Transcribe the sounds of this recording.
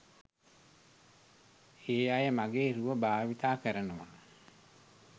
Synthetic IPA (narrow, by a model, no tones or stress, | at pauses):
eːajəmaɡeːɾuʋəbaːʋit̪aːkəɾənəʋa